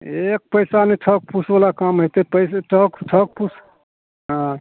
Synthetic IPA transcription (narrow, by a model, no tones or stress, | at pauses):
ek̚pəjsaneʈʰək̚pusbəlakamɦojt̪epəjsʈʰəkʈʰək̚pus | ɦã